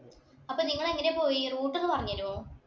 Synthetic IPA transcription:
ɐpːoːniŋːɐɭeŋːɐnepo̞ːjiruːʈːilːɨpɐrɐɲːiɐɾumoː

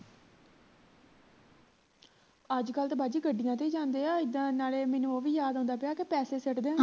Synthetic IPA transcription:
əd͡ʒkəlt̪aːbaːd͡ʒiːɡəɖːijãːt̪eiːd͡ʒãːnd̪eːaːɪd̪ãːnaːleːmɛ̃ːnũːoːʋiːjaːd̪ɦõːnd̪aːpɪjaːkepɛːseːsəʈd̪ẽː

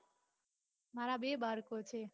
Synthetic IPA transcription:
maɾabebaɾkot͡ɕʰe

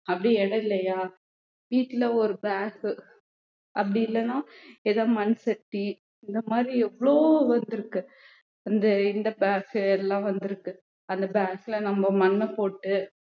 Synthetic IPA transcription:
ɐpːɐɽiɛɽɐɪlːɐjaː | ʋiːʈːɪlɐɔɾɯbaːk | ʔɐpːɐɽɪɪlːɐnãːɛðãːmɐnsɐʈːi | ɪnd̪ɐmaːd̪ɾiɛʋːɐɭoːʋɐnd̪ɯɾɯkːɯ | ɐnd̪ɐɪnd̪ɐbaːkɯɛlːãːʋɐnd̪ɯɾɯkːɯ | ɐnd̪ɐbaːkːɪlɐnɐmbɐmɐnːɛpoːʈːɯ

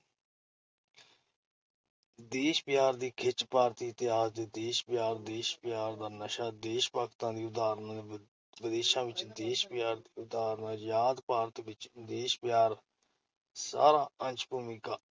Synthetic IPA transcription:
d̪eːʃpɪjaːɾd̪iːkʰɪt͡ʃpaːɾt̪iːt̪ɪjaːzd̪eːd̪eːʃbɪjaːɾd̪eːʃpɪjaːɾd̪aːnəʃaːd̪eːʃpaːkt̪ãːd̪iːʊd̪aːɾnãː | ʋɪd̪eːʃãːʋɪt͡ʃd̪eːʃpɪjaːɾd̪iːʊd̪aːɾnãːjaːd̪paːɾət̪ʋɪt͡ʃd̪eːʃpɪjaːɾ | sa̰ːɾãːənt͡ʃbuːmikaː

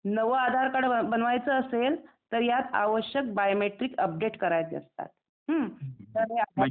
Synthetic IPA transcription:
nəʋəad̪ʱaɾkaɽəəbənʋajt͡səːsel | t̪əɾjat̪a̰ʋəɕjək̚bajomeʈɾiːkəp̚ɖeʈkəɾajt̪jə̰st̪a̰t̪ | ɦət̪əɾea

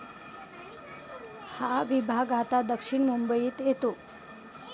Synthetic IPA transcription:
haʋibʱaɡat̪ad̪əkʂiɳmumbəjiːt̪jet̪o

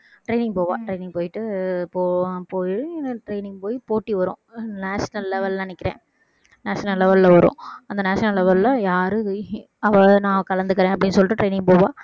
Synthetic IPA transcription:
ʈɾeɪnɪ̃ŋɡ̚poːʋã̰ːʈɾeɪnɪ̃ŋɡpoːjɪʈːɯpoːpoːjʈɾeɪnɪ̃ŋɡpoːjipoːʈːiʋɐɾʊ̰̃ːnaːʂɐnɐlːɛʋɐlnɐnɪkːɪɾḛ̃ː | naːʂɐnɐllːɛʋɐllɐʋɐɾõ̰ːɐnd̪ɐnaːʂɐnɐlːɛʋɐllɐjaːɾɯ | ɐʋɐnãːkɐlɐnd̪ɯkːɪɾẽːɐp̬ːɐɽɪnːɯsɔlːɪʈːɯʈɾeɪnɪŋpoːʋaː

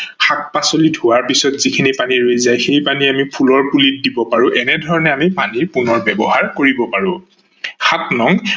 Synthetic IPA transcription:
xak̚pasolidʱʊwaɹpisɔtzikʰinipaniɹojzajxejpaniamipʰulɔɹpulit̚dibɔpaɹʊʔɛnɛdʱɔɹɔnɛamipaniɹpunɔɹbɛbɔɦaɹkoɹibɔpaɹʊ̃ | xatnɔŋ

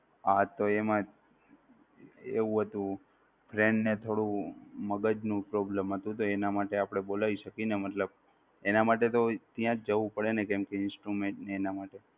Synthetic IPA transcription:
at̪oemã | eʋũɦət̪ũ | fʰɾẽɳɖnet̪ʰoɽũməɡəd͡ʒnũpɾoblemɦət̪ũt̪oenamaʈeapəɽ̃ebolaʋiʃəkinemət̪ləb̚ | enamaʈet̪ot̪jãd͡ʒəʋũpəɽenekɛmkeɪnsʈɾumẽɳʈneːnamaʈe

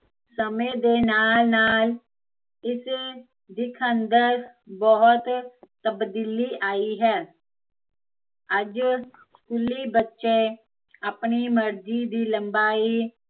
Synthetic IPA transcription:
səmẽːd̪eːnaːlnaːl | ɪs | d̪ɪkʰənd̪əɾbɔɦʊt̪t̪əbd̪iːliːʔaːiːɦɛː | əd͡ʒ | skuːliːbətːʃeː | aːpɳiːməɾd͡ʒiːd̪iːləmbaːiː

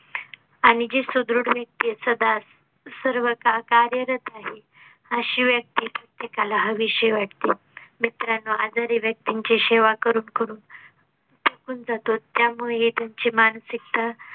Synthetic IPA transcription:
aɽ̃id͡ʑisud̪ɾuɽʋjək̚t̪isəd̪a | səɾʋəkakaɾjəɾət̪aɦe | əɕiːʋjək̚t̪iːpɾət̪jekalaɦəʋiɕəjʋaʈ̚ʰt̪i | mit̪ɾanːoad͡zaɾiʋjək̚t̪iɲt͡ɕiɕeʋakəɾuːnkəɾuːn | t̪əkuːnd͡zat̪ot̪ːjamuɭed̪aɲt͡ɕiːmansikt̪a

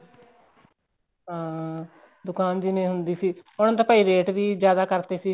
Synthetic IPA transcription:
ɦãː | d̪ʊkaːnd͡ʒiːnẽːɦʊnd̪iːsiːʊnãːt̪aːpəːiːɾeːʈʋiːd͡ʒjaːd̪aːkəɾt̪eːsiː

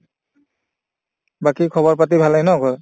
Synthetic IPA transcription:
bakikʰɔβɔɹpat̬ibʱalajnɔɡɔ

